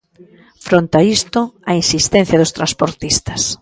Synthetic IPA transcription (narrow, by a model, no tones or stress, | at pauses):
fɾont̪aist̪ʊainsist̪ɛn̟θjɐðʊst̪ɾanspoɾt̪ist̪ɐs